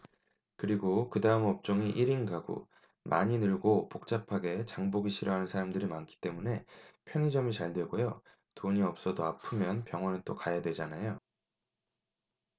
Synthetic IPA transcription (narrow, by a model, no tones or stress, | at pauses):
kɯɾiɡokɯdaɯmʌp̚t͡ɕ͈oŋiʔiɾiŋɡaɡo̰ | mʔa̰ɲinɯɭɡopok̚t͡ɕ͈apʰaɡe̞t͡ɕaŋboɡiɕʰiɾʌɦanɯnsʰaɾamdɯɾimankʰi̥t͈e̞mune̞pʰjʌŋid͡ʑʌmit͡ɕaɭdwe̞ɡojo | toɲiʌp̚s͈ʌdoapʰɯmjʌnpjʌŋɦwʌnɯnt͈okajadwe̞d͡ʑanajo